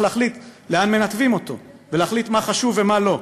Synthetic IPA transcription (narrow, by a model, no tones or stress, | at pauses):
leːχlit̪leanme̞nat̪vimo̞t̪o̞̰ | veleaχlit̪maχaʃuvemalo̞